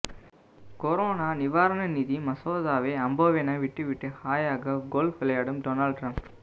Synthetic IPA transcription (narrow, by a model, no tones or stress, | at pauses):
kɔɾoːnaːnɪʋaːɾɐnɐniːðimɐsoːðaːʋeːɐmboːʋeːnaʋɪʈːɯʋɪʈːɯhaːjaːɣɐɡoːlfʋɪlɐjaːɽɯmɖoːnaːlɖ̚ʈɾɐmp